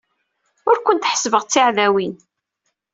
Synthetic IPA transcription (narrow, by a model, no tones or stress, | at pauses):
ʊɾkʷʊnt̪ħə̥svəʁt͡sːiʕðæwin